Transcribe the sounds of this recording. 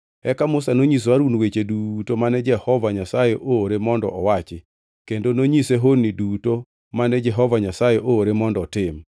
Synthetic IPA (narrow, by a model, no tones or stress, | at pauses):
ɛkamʊsanoɲis̬waɾunwet͡ʃedutomanɛd͡ʒɛhɔvaɲasajeʔoːɾemɔndɔ̰ʔɔwat͡ʃɪ | kendonoɲiseɦonːiduto | manɛd͡ʒɛɦɔvaɲasajɛʔooɾemɔndɔtɪm